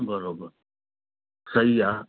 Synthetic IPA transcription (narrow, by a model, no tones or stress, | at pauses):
bəɾoːbəɾ | sɐɦiaː